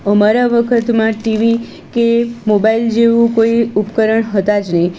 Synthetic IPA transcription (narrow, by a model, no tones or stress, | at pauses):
əmaɾaʋəkʰət̪mãʈiʋi | kemobaild͡ʒeʋũkoiupkəɾəɳɦət̪ad͡ʒnəi